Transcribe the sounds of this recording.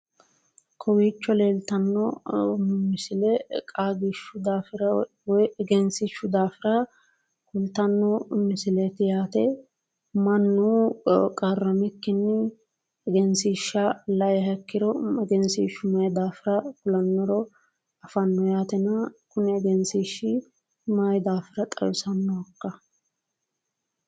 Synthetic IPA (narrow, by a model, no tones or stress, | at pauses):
kʰɔwiːt͡ʃːɔleːlt̪ɐnːɔ | mɪsɪlɛkʼaːɡɪʃːʊd̪aːfɪɾɐ | wɔjɛɡɛnsiʃːʊd̪aːfɪɾɐ | kʊlt̪ɐnːɔmɪsɪlɛt̪ɪjaːt̪ɛ | mɐnːuːkʼɐrːɐmɪkːɪnːɛː | ɡɛnsiːʃːɐlɐjɛɦɐkːɪɾɔɛɡɛnsiʃːʊmɐjd̪aːfɪɾɐkʊlɐnːɔɾɔ | ɐfɐnːɔjaːt̪ɛnɐkʊnɛːɡɛnsiʃɪ | mɐjd̪aːfɪɾɐt̪ʼɐ̰wɪsɐnːɔɐkːɐ